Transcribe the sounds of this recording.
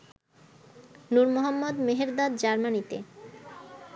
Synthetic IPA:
nuɾmoɦɔmːod̪meɦeɾd̪ad̪d͡ʑaɾmanit̪ḛ

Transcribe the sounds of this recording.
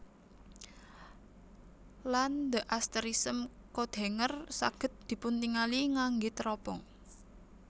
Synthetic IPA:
land̪əʔast̪əɾisəmkod̪̥e̤ŋərsa̰ɡ̥ə̤t̪̚d̪̥i̤punt̪iŋaliŋaŋɡit̪ɾɔb̥ɔŋ

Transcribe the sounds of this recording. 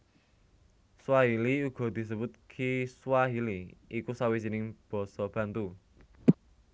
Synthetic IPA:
swaɦiliuɡ̥ɔ̤d̪̥i̤s̬əbʊt̪̚kʰiswaɦiliikusawis̬inɪŋb̥ɔ̤sɔb̥ä̤nt̪u

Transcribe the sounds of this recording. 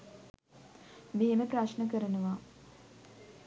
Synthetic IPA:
meɦeməpɾaʃnəkəɾənuʋa

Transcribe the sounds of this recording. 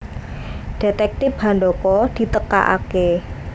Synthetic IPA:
ɖ̥e̤t̪ɛk̚t̪ɪpɦa̤nɖokɔd̥i̤t̪əka̰ʔa̰ke

